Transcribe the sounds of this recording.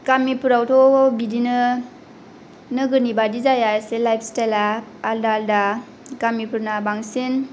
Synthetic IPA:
kamipʰuɾawtʰɔbidinɯ | nɯɡɯnibadizajaselajpʰstajlaːldaːlda | kamipʰuɾnabaŋsin

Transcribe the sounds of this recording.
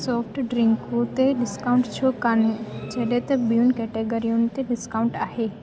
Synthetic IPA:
sɔːpʰʈɖɾɪ̃ŋkõt̪eɖɪskaːʊ̃ɳʈt͡ʃʰokaned͡ʒɐːlet̪ɐbjunkɛʈeɡəɾijõnt̪eɖɪskaːʊ̃ɳʈaːɦe

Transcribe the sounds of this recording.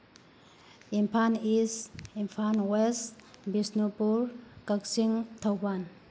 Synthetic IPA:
impʰanisimpʰanwesbisnupuɾkəksiŋt̪ʰawpan

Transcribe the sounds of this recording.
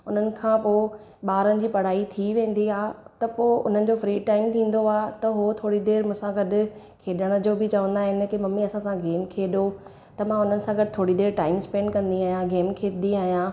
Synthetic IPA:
ʊn̤ənɪ̆kʰãːpoː | ɓaːɾənɪ̆d͡ʑiːpɐɽ̤aːit̪ʰiʋẽːn̆d̪iaːt̪ɐpoːʊ̰n̤ənɪ̆d͡ʑoːfɾiːʈaːɪmt̪ʰĩːn̆d̪oaːt̪ɐɦot̪ʰoːɽid̪eːɾmʊ̃ːsãɡɐɗʊ̆ | kʰeːɗəɽ̃əd͡ʑoːbɪt͡ɕɐʋə̃nd̪aːɦɪnɪ̆kɪmɐmiɐsãsãɡeːmkʰeːɗo | t̪ɐmãʊn̤ənɪ̆sãɡɐɗɪt̪ʰoːɽid̪eːɾʈaːɪmspɛ̃ːɳɖkɐ̃nd̪iaːɦijãɡeːmkʰeːt̪d̪iaːɦijãː

